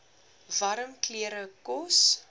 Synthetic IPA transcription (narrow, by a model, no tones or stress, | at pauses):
vɐɾəmkliəɾəkɔs